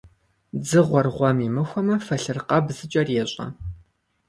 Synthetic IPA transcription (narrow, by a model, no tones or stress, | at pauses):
d͡zɨʁʷɔrʁʷɔmimɨxʷɔmɐfɐɬɨrqʼɐbzɨt͡ʃʼɐrjɛɕʼɐ̰